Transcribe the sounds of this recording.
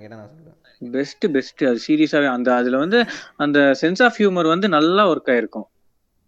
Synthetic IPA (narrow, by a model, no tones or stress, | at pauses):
bɛsʈɯbɛsʈɯɐðɯsiːɾijɐsaːʋẽːɐnd̪ɐɐðɪlʋɐnd̪ɯɐnd̪ɐsɛnsaːfhjuːmɐɾʋɐnd̪ɯnɐlːaːɔɾɯkːaːɪɾɯkːʊ̃